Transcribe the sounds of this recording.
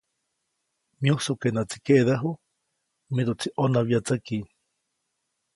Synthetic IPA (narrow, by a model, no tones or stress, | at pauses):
mĩusukenat͡si̥keʔðaɦu | miɾut͡sʰiʔonaβjat͡saki